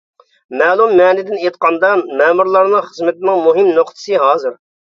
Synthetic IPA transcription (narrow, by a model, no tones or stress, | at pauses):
mɛːlˠumːɛːnɪd̪ɪnet̪̚qɑnd̪ɑnmɛːmuɾlˠɑɾnɨŋχəzmɪt̪mɨŋmuɦɪmnoqt̪ʰɨ̥sɨɦɑːzɨɾ